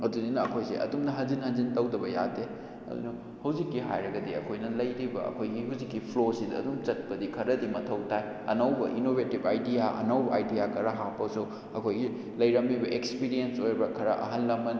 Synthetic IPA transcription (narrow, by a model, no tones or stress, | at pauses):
ɐduninɐɐkʰojsḭʔɐ̰dumnɐɦɐnzinhɐnzintɐwdɐbɐja̰de | ɐ̰dṵnu | hɐwzikːiɦa̰jɾɐɡɐdiɐ̰kʰojnɐlɐjɾibɐ̰ɐ̰kʰojɡiɦɐwzikːipʰlosidɐ̰ːdumt͡ʃɐt̚pɐdikʰɐɾɐdimɐtʰɐwtʰaj | ɐ̰nɐwbɐʔinobʱetibajdijaʔɐ̰nɐwbɐajdijakʰɐɾɐɦapːɐsu | ɐkʰojɡi | lɐjɾɐmːibɐʔekspiɾiensojɾbɐkʰɐɾɐʔɐ̰ɦɐnlɐmɐn